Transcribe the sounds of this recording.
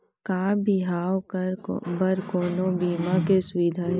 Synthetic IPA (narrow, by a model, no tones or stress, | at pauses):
kaːbɪɦaːwkɾbəɾkoːnobiːmakesʊʋɪd̪ʱaː